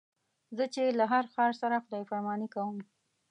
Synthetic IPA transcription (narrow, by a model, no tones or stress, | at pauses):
zət͡ʃelaɦaɾxɑɾsaɾaxʊd̪ɑjfaɾmɑnikawəm